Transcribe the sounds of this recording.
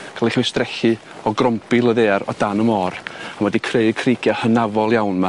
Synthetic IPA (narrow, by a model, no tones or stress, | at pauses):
kʰalˠiχwɪsd̥rɛɬɨ | ɔɡrɔmpɨlˠəðeːaɾɔ̰d̥anəmɔːramwɛdikʰreɨkʰriɡjahənavɔlˠjawnma